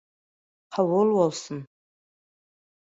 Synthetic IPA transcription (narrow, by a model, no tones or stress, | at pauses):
ħawʊlwawsɨn